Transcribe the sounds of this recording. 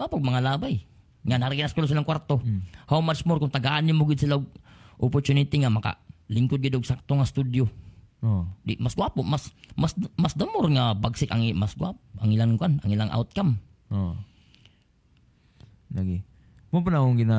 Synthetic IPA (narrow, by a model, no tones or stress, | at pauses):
apʊk̚maŋalabaj | ŋanaɾiɡinaskulos̬ilaŋkwart̪ohawmat͡ʃmʊrkʊŋt̪aɡaːnimoɡɪd̪silaɡ̚ʔɔpɔrt͡ʃunit̪iŋamaka̰liŋkʊd̪̚ɡid̪ɡsak̚t̪oŋast̪udjo | odimasɡwapʊʔmasmasmasd̪amʊrŋabaɡsɪka̰ŋimasɡwapaŋilaŋɡuana̰ŋilaŋʔa̰ʊt̪̚kam | o | laɡi | mopanaʊŋɡina